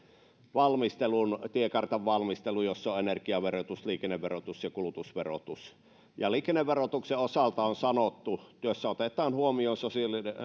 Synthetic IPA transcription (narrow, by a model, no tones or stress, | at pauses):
ʋɑlmist̪elunt̪iekɑrt̪ɑʋʋɑlmist̪elujosːoʔenerkiɑʋerot̪usliːkenːeʋʋerot̪usjɑkulut̪usʋero̰t̪us | jɑliːkenːeʋːerot̪ukseosɑlt̪ɑonsɑnot̪ːut̪yøsːæot̪et̪ˑɑːnhuomioːnsosiɑlin